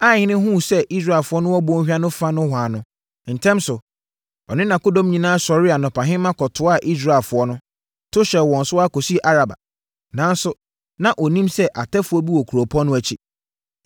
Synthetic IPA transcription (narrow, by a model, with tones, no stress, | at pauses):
a˦˨ɲɪ̃˦nɪ̃˦ɦũ˦˨sɛ˦ʔi˦s̬ɾa˨ɛ˨fʊ˦ɔ˦nʊ̃˦wɔ˦bʊ̃˦hᶣa˦nʊ̃˦fa˦nʊ̃˦ɦʷwa˨nʊ̃˦ | n̩˨tʰɛ̃˦msʊ˨ | ɔ˨nɪ̃˦nã˨ko˦dõ˦m˦ɲĩ˨nãː˦sɔ˨ɾɪ˦a˨nɔ̃˨pʰã˨ɦɪ̃˦mã˦kʰɔ˨tʰʊ˨˦a˦˨ʔi˦s̬ɾa˨lfʊ˨ɔ˦nʊ̃˦ | tʰʊ˦ɕɛ˨wɔ̃˨n˨sʊ˦a˦ko˨si˦˨ʔa˦ɾa˨ba̰˨ | nã˨˦n˦sʊ˨ | nã˨ʔɔ˨nĩ˦msɛ˦ʔa˨tʰɛ˦fʊ˨ɔ˦bi˦wɔ˨kʰu˨ɾo˨pʰɔ̃˦nːʊ̃˦æ˨t͡ɕʰi˦